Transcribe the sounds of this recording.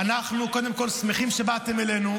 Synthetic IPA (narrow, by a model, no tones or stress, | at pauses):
anaχnuko̞d̪e̞mko̞lsmeχimʃebat̪emelenu